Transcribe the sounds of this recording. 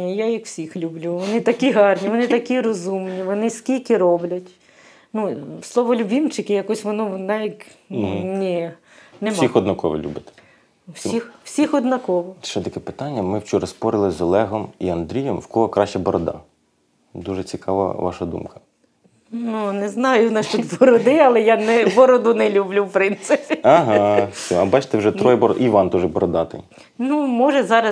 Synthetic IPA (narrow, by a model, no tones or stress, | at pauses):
jajikw̥sʲixlʲublʲuʋɔnɪt̪ɐkʲiɦɑrnʲiʋɔnɪt̪ɐkʲiɾɔzumnʲiʋɔnɪsʲkʲilʲkɪɾɔblʲɐtʲ | nuslˠɔʋɔlʲubʲimt͡ʃɪkɪjɐkɔsʲʋɔnunɑʋʲik | nʲi | nɛmsixɔd̪nɐkɔʋɔ̰lʲṵbʲɐt̪ɪ̥ | sʲixwsʲixɔd̪nɐkɔʋɔʃʃɛt̪ɐkɛpɪ̥t̪ɑnʲːɐmɪwt͡ʃuɾɐspɔɾɪlˠɪzɔlˠɛɦɔmiɐnd̪ɾʲijɛmwkɔɦɔkɾɑʃt͡ʃɐbɔɾɔd̪ɑ̰ | d̪uʒɛt͡sʲikɑʋɐ̰ʋɑ̰ʃɐd̪ṵmkɐ̥ | nunɛznɑjʊnɛʃt̪ut̪bɔɾɔd̪ɪɐlˠɛjanɛbɔɾɔd̪ʊnɛlʲublʲuwpɾɪnt̪sɪpʲiɐɦɑsʲiɐbɑt͡ʃt̪ɛwʒɛt̪ɾɔjbɔʔiʋɑnt̪ɔʒɛbɔɾɔd̪ɑt̪ɪ̰ | numɔʒɛzɑɾɐ